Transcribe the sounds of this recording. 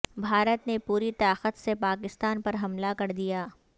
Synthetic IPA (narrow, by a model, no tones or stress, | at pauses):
bʱaːɾət̪nepuːɾit̪aːqət̪sepaːkɪst̪aːnpɐɾɦɐmlakɐɾd̪ijaː